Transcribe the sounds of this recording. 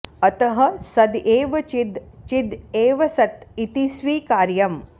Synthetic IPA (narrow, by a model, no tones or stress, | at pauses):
ɐt̪ɐɦɐsɐd̪eːʋɐt͡ʃid̪t͡ʃid̪eːʋɐsɐt̪it̪isʋiːkaːɾjɐm